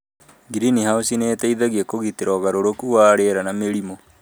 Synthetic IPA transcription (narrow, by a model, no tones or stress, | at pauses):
ɡiɾinihausineːtaiðaɣiekoɣiteɾɔɣaɾoɾokuwaɾeɾanameɾimo